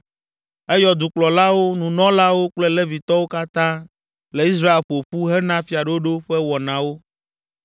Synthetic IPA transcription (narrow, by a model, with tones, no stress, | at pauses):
ɛ˦jɔ˨d̪u˨k͡plɔ˨la˦wo˦nũ˨nɔ̃˦la˦wo˦k͡plɛ˦le˦vi˨t̪ɔ˦wo˦ka˦t̪ã˦ | le˨i˦s̬ɾa˦e˨lɸo˨ɸu˦ɦɛ˦nã˦fi˨a˨ɖo˦ɖo˦ɸɛ˦wɔ˨nã˨wo˦